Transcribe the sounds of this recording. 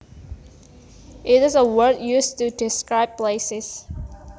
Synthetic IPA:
ʔɪɾɪzəwɜ˞djustudɪskɹaɪb̚pleɪsɪz̥

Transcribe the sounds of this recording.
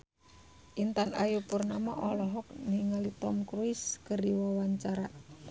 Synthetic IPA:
ʔint̪ana̰jupurnamaʔɔlɔɦɔk̚niŋalit̪ɔmkɾuiskərdiwawaɲt͡ʃaɾa

